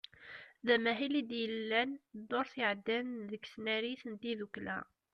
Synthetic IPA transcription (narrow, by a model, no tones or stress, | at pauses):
ðæmæɦilid̪jəlːænd̪oɾθiʕd̪ːænðəɡsnæɾiθənt̪iðuklæ̰